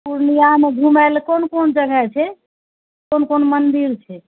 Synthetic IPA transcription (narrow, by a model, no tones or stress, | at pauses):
puɾnijameɡʱumalkonkond͡ʒəɡʱɛt͡ʃʰɛ | konkonmənd̪iɾt͡ʃʰɛ